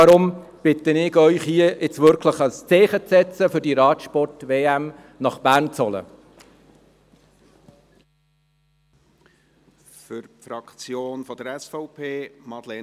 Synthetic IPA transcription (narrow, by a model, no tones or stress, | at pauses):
ɑɾʊm | b̥ɪt̪ənɪɡœʏχhiəɪt͡sʋʏɾkʰləχɑst͡sɛːχət͡sɛt͡səfɵɾdiɾɑːtʃpɔrtveːæm | nɑχb̥æːɾnt͡sɔlə̰ | fʏɾpfɾɑkt͡sjoːnfɔd̥̪əɾɛsfɔʊpʰeːmɑd̪lɛ